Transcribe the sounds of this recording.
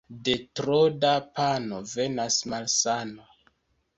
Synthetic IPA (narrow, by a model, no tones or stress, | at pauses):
de̞tɾodapano̞ve̞nasmalsano